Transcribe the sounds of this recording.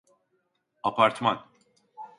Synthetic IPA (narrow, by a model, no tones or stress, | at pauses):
apʰaɾt̪man